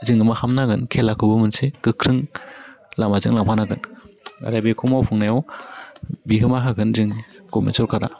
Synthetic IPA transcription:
zɯŋɡɯmahamnaɡɯnkʰelakʰɯbɯmɯnsekɯkʰɾɯŋ | lamazɯŋlaŋpʰanaɡɯna̰ɾabekʰumawpʰuŋnajɔw | bikʰɯmaɦaɡɯnzɯŋkɔmḛnsɔɾkʰaɾa̰

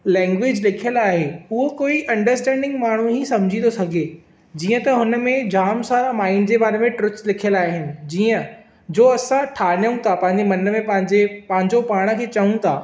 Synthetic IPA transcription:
lɛ̃ːŋɡʋɪd͡ʑlɪkʰijəlaːɦeʊɦokoːiʔɐ̃ɳɖəɾsʈɛ̃ːɳɖɪ̃ŋɡmaːɳ̤ũɦisɐ̃md͡ʑʱĩnd̪osɐɡʱe | d͡ʑiːə̃t̪ɐɦʊnə̆mẽd͡ʑaːmsaːɾamaːɪnd͡ʑebaːɾemẽʈɾʊkslɪkʰijəlaːɦɪnɪ̆d͡ʑiːə̃ | d͡ʑoːɐsãʈʰaːnjũt̪ʰapɐ̃ɦɪ̃ɲd͡ʑemɐnəmẽpɐ̃ɪ̃d͡ʑepɐ̃ɦɪ̃ɲd͡ʑopaːɽ̃ə̆kʰeːt͡ɕɐũt̪ʰaː

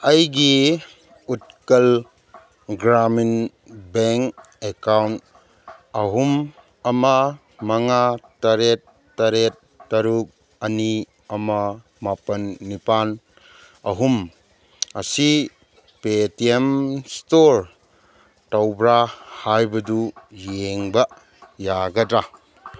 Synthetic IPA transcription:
ɐjɡi | ut̚kɐl | ɡɾamin | beŋk | ekawnt | ɐɦum | ɐma | maŋataɾetː | aɾet̚ːaɾuk̚ | ɐni | ɐma | mapɐnːipan | ɐɦum | ɐsi | petiemstoɾ | tɐwbɾahajbɐdujeŋbɐ | jaɡɐdɾa

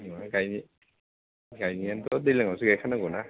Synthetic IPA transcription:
imaɡajni | ɡajniantɔdejlaŋawsiɡajkʰanaɡɔna

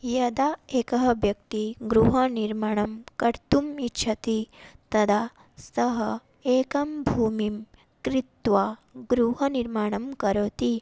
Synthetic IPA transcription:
jɐd̪aeːkɐɦɐʋjɐkt̪iɡɾuɦɐniɾmaːɳ̃ɐmkɐɾt̪umitːʃʰɐt̪it̪ɐd̪ʱa | sɐɦɐ | eːkɐmbʱuːmim | kɾit̪ʋaɡɾuɦɐniɾmaːɳ̃ɐmkɐɾoːt̪i

